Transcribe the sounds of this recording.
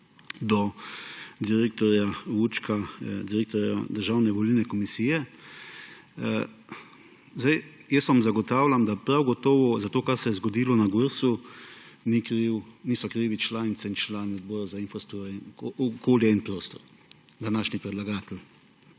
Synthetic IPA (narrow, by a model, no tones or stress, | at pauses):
d̪ɔ | d̪iɾeːk̚t̪ɔɾjaut͡ʃkad̪iɾeːk̚t̪ɔɾja̰d̪əɾʒaːwnɛʋɔlilnɛkɔmisiːjɛ | zd̪aj | jəst̪ʋamzaɡɔt̪aːwlʲamd̪apɾawɡɔt̪ɔːʋɔzat̪oːkaɾsɛjɛzɡɔd̪iːlɔnaɡuɾsu | nikɾiwniːsɔkɾiːʋit͡ʃlaːnit̪sɛint͡ʃlaːnɔd̪̚bɔːɾazainfɔst̪uɾoɔkoːljainpɾoːst̪ɔɾ | d̪anaːʃnipɾɛd̪laɡaːt̪ɛl